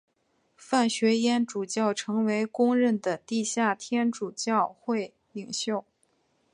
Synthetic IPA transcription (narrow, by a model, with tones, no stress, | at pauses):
fa˥˩nɕɥɛ˧˥jɛ˥nʈ͡ʂu˨˩t͡ɕjɑ˥˩ʊʈ͡ʂʰɤ˧˥ŋwe˧˥ɪkʊ˥ŋɻə˥˩nd̪ə˩t̪i˥˧ɕja˥˩t̪ʰjɛ˥nʈ͡ʂu˨˩t͡ɕjɑ˥˧ʊxwe˥˩ɪ | li˨˩ŋɕjo˥˩ʊ